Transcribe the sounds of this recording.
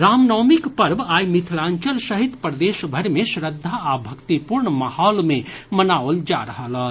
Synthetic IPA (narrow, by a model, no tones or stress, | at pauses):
ɾamnɔmikpəɾbajmit̪ʰlãnt͡ʃəlsəɦit̪pɾəd̪esbʱəɾmesɾəd̪ʱːaːbʱəkt̪ipuɾɳmahɔlmemənaold͡ʒaɾəɦələ